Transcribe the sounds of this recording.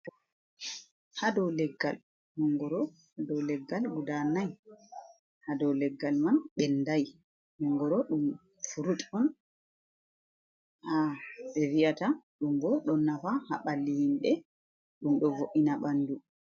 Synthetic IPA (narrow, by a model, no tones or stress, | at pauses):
tɔ | hadɔwlɛɡːal | hɔŋɡɔɾɔ | dɔwlɛɡːalɡudanaj | hadɔwlɛɡːalmanɓɛndaj | hɔŋɡɔɾɔɗum | fuɾutʼɔn | haɓɛwiataɗumɡɔɗɔnːafaha̰ɓalːihinɗɛ | ɗumɗɔvoʔinaɓanːdu